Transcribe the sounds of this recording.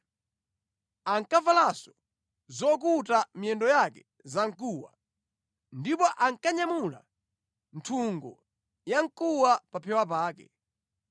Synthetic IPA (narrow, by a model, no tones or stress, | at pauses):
aŋkavalasɔ̥ | zɔk̬utamiɛndɔjakɛ̥ | zaŋ̩kuːwa̰ | ndipɔʔaŋkaɲamula̰ | ntʰuŋɡɔ̰ | jaŋkuwapapʰɛwap̬aːkɛ̰